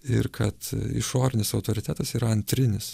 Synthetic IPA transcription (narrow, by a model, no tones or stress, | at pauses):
ɪ̰ɾkʰɐt̪ɪ̰ʃoːɾʲɪnʲɪsɐʊt̪oːɾʲɪt̪ʲæːt̪ɐsiːɾɐɐnʲt̪ʲɾʲɪnʲɪs